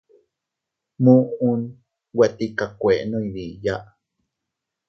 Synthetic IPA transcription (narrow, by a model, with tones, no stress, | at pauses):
mu˦u˦n | we˨t̪ikakʷe˨ʔno˦iɾi˨ja˦ʔ